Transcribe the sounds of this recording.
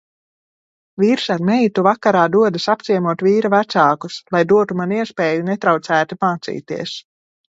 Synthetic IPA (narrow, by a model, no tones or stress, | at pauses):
viːɾsaɾmɛjt̪uvakaɾaːd̪uɔd̪asap̚t̪siɛmuɔt̪viːɾavæt̪saːkuslˠajd̪uɔt̪umaniɛspɛːjunet̪ɾawt̪sæːt̪imaːt̪sḭːt̪iɛs